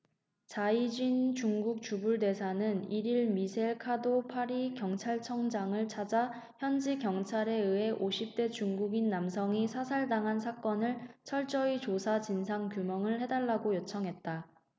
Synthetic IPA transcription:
t͡ɕaid͡ʑint͡ɕuŋɡuk̚t͡ɕubuɭde̞sʰanɯniɾiɭmisʰeɭkʰadopʰaɾikjʌŋt͡ɕʰaɭt͡ɕʰʌŋd͡ʑaŋɯɭt͡ɕʰad͡ʑa | çjʌnd͡ʑikjʌŋt͡ɕʰaɾe̞ɯe̞ʔoɕʰip̚t͈e̞t͡ɕuŋɡuɡinːamsʰʌŋisʰasʰaɭdaŋɦans̬ʰak͈ʌnɯɭt͡ɕʰʌɭt͡ɕ͈ʌit͡ɕosʰat͡ɕinsʰaŋkjumʌŋɯɭhe̞daɭːaɡojot͡ɕʰʌŋɦe̞t̚t͈a

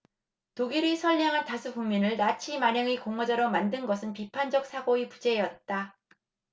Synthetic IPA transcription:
toɡiɾisʰʌɭɲaŋɦantasʰuɡuŋminɯɭnat͡ɕʰimaɲjʌŋikoŋʌd͡ʑaɾomandɯnɡʌsʰɯnpipʰand͡ʑʌk̚s͈ʰaɡoipud͡ʑe̞ːjʌt̚t͈a

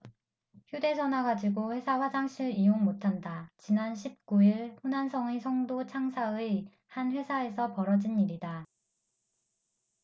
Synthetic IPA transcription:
çjude̞sʰʌnaɡad͡ʑiɡoɸwe̞sʰaɸwad͡ʑaŋɕʰiɾioŋmotʰandat͡ɕinanɕʰip̚k͈uiɭɸonansʰʌŋesʰʌŋdot͡ɕʰaŋsʰaɯ | hanɸwe̞sʰae̞sʰʌpʌɾʌd͡ʑiniɾida

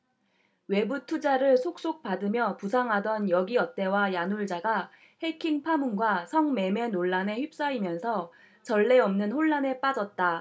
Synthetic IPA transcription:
we̞butʰud͡ʑaɾɯɭsʰok̚s͈ok̚p͈adɯmjʌpusʰaŋɦadʌnjʌɡiʌt̚t͈e̞wajanuɭd͡ʑaɡa | he̞kʰiŋpʰamunɡwasʰʌŋme̞me̞noɭːane̞çip̚s͈aimjʌnsʰʌ | t͡ɕʌɭːe̞ʌmnɯnɸoɭːane̞p͈ad͡ʑʌt̚t͈a

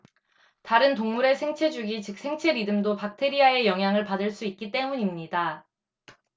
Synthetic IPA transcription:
taɾɯntoŋmuɾe̞sʰe̞ŋt͡ɕʰe̞d͡ʑuɡit͡ɕɯk̚sʰe̞ŋt͡ɕʰe̞ɾidɯmdopak̚tʰe̞ɾiae̞jʌŋɦjaŋɯɭpadɯɭs͈uik̚k͈it͈e̞muɲimɲida

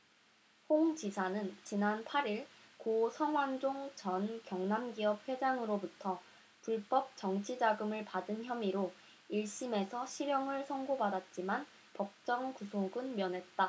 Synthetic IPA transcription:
hoŋt͡ɕisʰanɯnt͡ɕinanpʰaɾiɭkosʰʌŋwand͡ʑoŋt͡ɕʌnkjʌŋnamɡiʌp̚ɸe̞d͡ʑaŋɯɾobutʰʌ | puɭp͈ʌp̚t͡ɕʌŋt͡ɕʰid͡ʑaɡɯmɯɭpadɯnçjʌmiɾo | iɭɕ͈ime̞sʰʌɕʰiɾjʌŋɯɭsʰʌŋɡobadat̚t͡ɕ͈iman | pʌk̚t͡ɕ͈ʌŋkusʰoɡɯnmjʌnɦe̞t̚t͈a

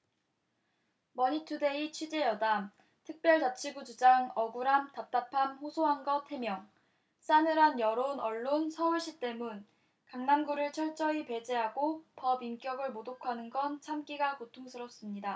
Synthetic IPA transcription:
mʌɲitʰude̞it͡ɕʰwid͡ʑe̞jʌdam | tʰɯk̚p͈jʌɭtat͡ɕʰiɡud͡ʑud͡ʑaŋʌɡuɾamtap̚t͈apʰamɸosʰoɦaŋɡʌtʰe̞mjʌŋ | s͈anɯɾanjʌɾonʌɭːonsʰʌuɭɕ͈ʰit͈e̞mun | kaŋnamɡuɾɯɭt͡ɕʰʌɭt͡ɕ͈ʌipe̞d͡ʑe̞ɦaɡopʌbink͈jʌɡɯɭmodokʰanɯnɡʌnt͡ɕʰamk͈iɡakotʰoŋsʰɯɾʌs͈ɯmɲida

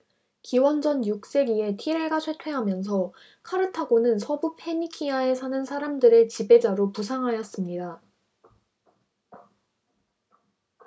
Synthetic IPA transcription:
kiwʌnd͡ʑʌnjuk̚s͈e̞ɡie̞tʰiɾeɭɡat͡ɕʰwetʰwe̞ɦamjʌns̬ʰʌ | kʰaɾɯtʰaɡonɯnsʰʌbupʰe̞ɲikʰiae̞sʰanɯnsʰaɾamdɯɾe̞t͡ɕibe̞d͡ʑaɾopusʰaŋɦajʌs͈ɯmɲida

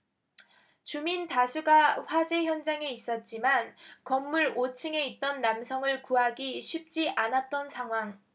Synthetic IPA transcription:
t͡ɕumintasʰuɡaɸwad͡ʑe̞çjʌnd͡ʑaŋe̞is͈ʌt̚t͡ɕ͈imankʌmːuɾot͡ɕʰɯŋe̞it̚t͈ʌnːamsʰʌŋɯɭkuɦaɡiɕʰip̚t͡ɕ͈iʔanat̚t͈ʌnsʰaŋɦwaŋ

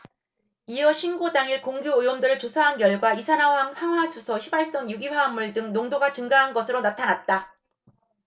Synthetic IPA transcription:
iʌɕʰinɡodaŋiɭkoŋɡjoɯjwʌmdɯɾɯɭt͡ɕosʰaɦankjʌɭɡwaisʰanawaŋhaŋɦwasʰusʰʌɕʰibaɭs͈ʌŋjuɡiɸaːmːuɭdɯŋnoŋdoɡat͡ɕɯŋɡaɦanɡʌsʰɯɾonatʰanat̚t͈a

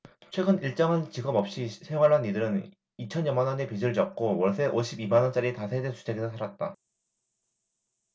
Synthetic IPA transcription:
t͡ɕʰwe̞ɡɯniɭt͡ɕ͈ʌŋɦant͡ɕiɡʌbʌp̚ɕ͈isʰeŋwaɾanːidɯɾɯn | it͡ɕʰʌɲjʌmanʌnepid͡ʑiɾɯɭt͡ɕʌp̚k͈owʌɭs͈ʰe̞ʔoɕʰibimanʌnt͡ɕ͈aɾitasʰedensʰu̥t͡ɕʰe̞ɡesʰosʰaɾat̚t͈a

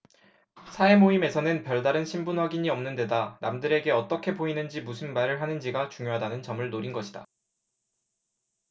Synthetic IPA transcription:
sʰae̞moime̞sʰʌnɯnpjʌɭdaɾɯnɕʰimbunwaɡiɲiʌmnɯnde̞danamdɯɾe̞ɡe̞ʌt͈ʌkʰe̞poinɯnd͡ʑimusʰɯnmaɾɯɭɦanɯnd͡ʑiɡat͡ɕuŋjoɦadanɯnt͡ɕʌmɯɭnoɾinɡʌɕʰida̰

